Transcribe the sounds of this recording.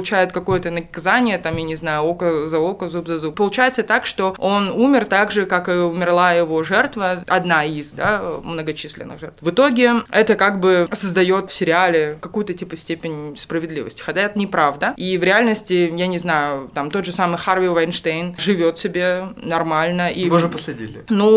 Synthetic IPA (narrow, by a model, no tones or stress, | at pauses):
lˠʊt͡ɕæjɪt̪kɐko̞jət̪ənəkɐzanʲɪjət̪amjanʲɪznajʊokəzɐolˠkəzubzɐzup̚pːəlˠʊt͡ɕæjɪt̪sət̪akʂt̪o̞o̞numʲɪrt̪aɡʐɨkakɨʊmʲɪrlˠajɪvo̞ʐɛrt̪vəɐ̰d̪naizd̪amnəɡɐt͡ɕisʲlʲɪ̰nːɨ̰ɣʐɛ̰rt̪vɨt̪o̞ɡʲɪɛt̪əkaɡ̚bɨsəzd̪ɐjo̞t̪fsʲɪɾʲɪalʲɪkɐkujʊt̪ətʲipəsʲtʲepʲɪnʲspɾəvʲɪd̪lʲḭvə̰sʲtʲɪ̥xɐtʲaɛt̪ənʲɪpɾavd̪əivɾʲɪalʲnəsʲtʲɪjanʲɪznajʊt̪amt̪o̞d̪ʐɨsamɨjxarvʲɪvɐjnʂt̪ejnʐɨvʲo̞t̪sʲɪbʲe̞nɐrmalʲnəʔivoʐɨpəsɐdʲḭlʲɪnu